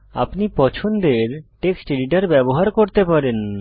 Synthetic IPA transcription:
a̰pnipɔt͡ɕʰond̪eɾʈeksʈeɖiʈ̬aɾbɛboɦaɾkoɾt̪epaɾen

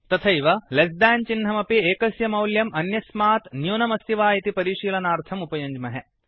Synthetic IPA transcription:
t̪ɐt̪ʰɐiʋɐlɐsd̪aːnt͡ʃinɦɐmɐpieːkɐsjɐmɐwljɐmɐnjɐsmaːt̪njuːnɐmɐst̪iʋaːjit̪ipɐɾiːʃiːlɐnaːɾt̪ʰɐmupɐjɐɲd͡ʒmɐɦe

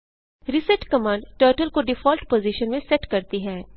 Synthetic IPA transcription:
ɾɪsɛʈkɐmãːɳɖʈəːɾʈəlkoɖɪfɔːlʈpoːzɪʃənmẽsɛʈkɐɾt̪iɦɛ̃ː

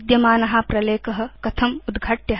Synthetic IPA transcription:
d̪jɐmaːnɐɦaːpɾɐleːkɐɦɐ̆kɐt̪ʰɐmud̪ɡʱɐʈjɐɦ

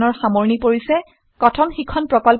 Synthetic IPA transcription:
nɔɹxamoɹnipoɹisɛ | kɔtʰɔnxikʰɔnpɹɔkɔl

